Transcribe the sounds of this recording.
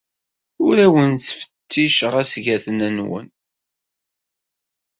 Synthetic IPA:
ʊɾæwənt͡sːfə̥t̪ʰːiʃəʁæsʝæθənænwə̰n

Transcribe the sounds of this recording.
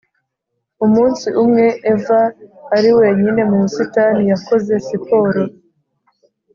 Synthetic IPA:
umuːnsiʔumŋe̞ʔːvaːɾiwe̞ɲine̞mumusitanijako̞ze̞sipo̞ɾo

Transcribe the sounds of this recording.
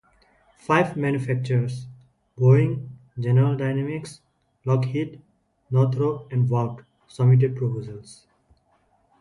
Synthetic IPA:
faɪʋmæ̃njufæk̚t͡ʃəɾs | boɪ̃ŋ | d͡ʒenəɾəlɖaɪnɛmɪks | lɔːkhiʈ | nɔːɾt̪ʰɾoːɛ̃ɳɖʋaʊʈ | sʌmiʈ̬eɖ̚pɾopoːzəls

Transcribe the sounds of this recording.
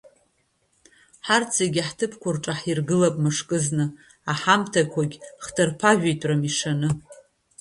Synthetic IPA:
ħart͡sʰeɡʲaħtʰɨpʰkʷʰʊrʈ͡ʂʼaħirɡɨlapʼmɨʂkʼɨznɨ | aħamtʰakʷʰaɡʲχdʰɨrpʰaʒᶣejtʼramiʂanɨ

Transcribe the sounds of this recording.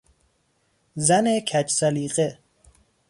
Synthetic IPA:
zænekʰæt͡ʃsaliːqʼe

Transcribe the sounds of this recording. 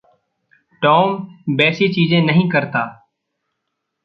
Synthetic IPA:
ʈɔːmbɛːsiːt͡ʃiːzẽːnəɦĩːkəɾt̪aː

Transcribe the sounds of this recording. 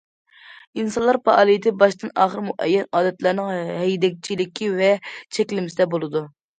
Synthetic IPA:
insɑnlˠɑɾpɑʔɑːlˠijit̪ʰɪbɑʃt̪ɨnɑːχəɾmuʔɛjːɛnɑːd̪ɛt̪lˠɑɾnɨŋɦɛjd̪ɛk̚ʲt͡ʃʰilɪkʲʰivɛt͡ʃʰɛkʲlɪmɪsɪd̪ɛbolˠɨd̪u

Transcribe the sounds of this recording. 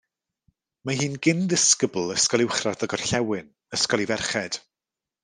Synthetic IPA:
maɦiːnɡɪnðɪskəblˠəskɔlˠɪwχradəɡɔr̥ɬɛwɪn | əskɔlˠivɛrχɛd̥

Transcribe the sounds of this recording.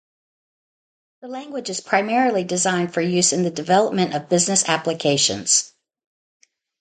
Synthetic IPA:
ðəlæ̃ŋɡwɨd͡ʒɨz̥pʰɹ̥aɪmɛɹl̩ˠidɨzãɪ̃nd̥fə˞jʉzɨ̃nðɨdɨvɛlˠəp̚mɨ̃ñʌvbɪznɨsæpləkʰeɪʃɨ̰̃nz̥

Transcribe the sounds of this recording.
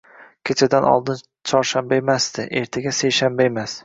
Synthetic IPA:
kʲʰet͡ʃʰad̪anʔɒ̰lˠd̪ɪn | t͡ʃʰɒɾʃambaemasd̪ɪʔe̞ɾt̪ʰaɡʲasejʃambaemas

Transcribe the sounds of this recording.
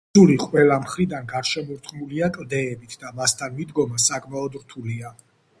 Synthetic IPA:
uliqʼwɛlamχɾid̪anɡaɾʃɛmɔɾt̪χʼmuliakʼld̪ɛːbit̪ʰd̪amast̪ʰanmid̪ɡɔmasakʼmaɔd̪ɾt̪ʰulia

